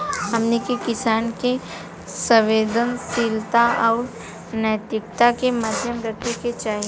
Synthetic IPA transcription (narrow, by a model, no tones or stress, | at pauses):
ɦɐmnikekɪsaːnke | sə̃ʋeːd̪ənsiːlt̪aɔːɾ | nəjt̪ɪkt̪akemaːd̪ʱjəmɾət̪ʰeket͡ʃaːɦi